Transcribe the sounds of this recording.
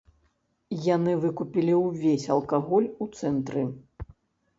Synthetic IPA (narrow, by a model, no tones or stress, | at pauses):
janɨvɨkupʲilʲiwvʲesʲɐlˠkaɣɔlʲut̪sɛnt̪ɾɨ